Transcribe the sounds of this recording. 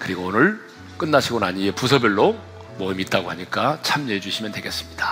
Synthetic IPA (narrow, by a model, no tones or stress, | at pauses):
kɯɾiɡoonɯɭ | k͈ɯnːaɕʰiɡonaɲie̞pusʰʌbjʌɭːo | mʌimit̚t͈aɡoɦaɲik͈at͡ɕʰamneed͡ʑuɕʰimjʌndwe̞ɡe̞s͈ɯ̥mɲid̥ḁ